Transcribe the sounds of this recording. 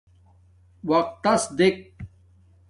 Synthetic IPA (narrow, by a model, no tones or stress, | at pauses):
wɐq̚t̪ːɐsd̪ek̚